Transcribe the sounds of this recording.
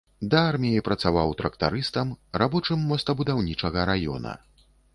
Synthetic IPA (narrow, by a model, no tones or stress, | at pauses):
d̪ɐarmʲijipɾɐt̪savawt̪ɾɐkt̪a̰ɾɨst̪ɐmɾabɔt͡ʂɨmːɔst̪ɐbud̪awnʲit͡ʂɐɣɐɾajɔ̰nɐ̰